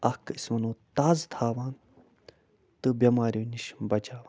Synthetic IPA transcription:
ɐkismɐnoːt̪aːzt̪ʰaːʋaːn | t̪ɨbjɐmaːɾʲjuːniʃbɐd͡ʒaːʋaːn

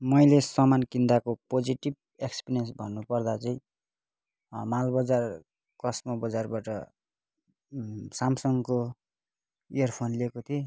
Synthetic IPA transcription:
mʌjlesʌmankind̪akopod͡ziʈib̚ | ekspiɾijʌnsbʱʌnːupʌrd̪at͡sʌĩ | malbʌd͡zar | kʌsmʌbʌd͡zarbaʈʌ | samsʌŋko | ijʌrpʰonlekot̪ʰi

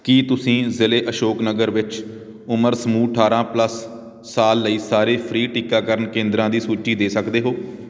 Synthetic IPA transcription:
kiːt̪ʊsĩːzɪleːʔəʃoːknəɡəɾʋɪt͡ʃ | ʊməɾsəmuːʈʰaːɾãːpləsː | aːlːəiːsaːɾeːpʰɾiːʈikaːkəɾənkẽːnd̪ɾãːd̪iːsuːt͡ʃiːd̪eːsəkd̪eːɦoː

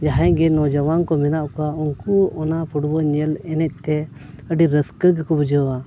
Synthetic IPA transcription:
d͡ʒaɦãɡɛnɔd͡ʒɔwankɔmɛnaʔkauŋkuɔnapʰuɽbɔɲɛlɛnɛc̚ˀt̪ɛəɖiɾəskəɡkɔbəd͡ʒəwa

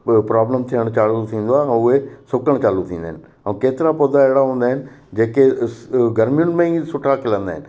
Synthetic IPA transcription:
pɾaːbləmt̪ʰiːəɽ̃t͡ɕaːllut̪ʰĩːnd̪oaːɛ̃ʊɦesʊkəɽ̃t͡ɕaːlut̪ʰĩːnd̪aːɦɪnɪ̆ | ə̃ũkeːt̪ɪɾapod̪aeɦɽaɦũːn̆d̪aːɪnɪ̆ | d͡ʑeːkeɡɐɾmijʊnmẽisʊʈʰakɪlə̃nd̪aːɦɪnɪ̆

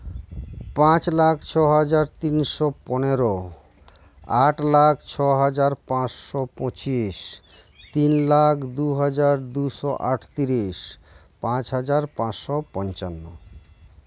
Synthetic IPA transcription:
pãt͡ɕlakʰt͡ɕʰɔɦad͡ʑaɾt̪inʃɔpɔneɾo | aʈlakʰt͡ɕʰɔɦad͡ʑaɾpãt͡ɕʃɔpɔ̃t͡ɕiʃ | t̪inlakʰd̪uɦad͡ʑaɾd̪uʃɔʔa̰ʈʰt̪iɾiʃ | pãt͡ɕɦad͡ʑaɾpãt͡ɕʃɔpɔnt͡ɕanːo

